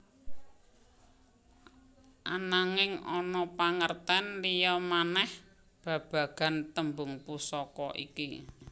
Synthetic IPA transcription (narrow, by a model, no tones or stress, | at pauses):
ʔanaŋɪŋɔnɔpaŋərt̪ɛnlijɔmanɛh | b̥ä̤b̥a̤ɡ̥ä̤nt̪əmbʊŋpusɔkɔʔḭki